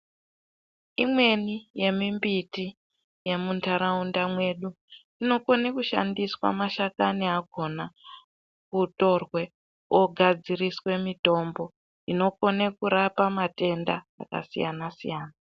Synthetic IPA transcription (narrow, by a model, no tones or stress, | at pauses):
imwe̞nije̞mimbiti | je̞muntaɾaundamwe̞ɗu | ino̞ko̞nekuʃa̰ndiswa̰maʃakaniaɡʱo̞na | kuto̞rwe | oɡʱad͡ziriswe̞mito̞mbo̞ | ino̞ko̞nekuɾapamate̞nda̰ːka̰sija̰nasḭjaːna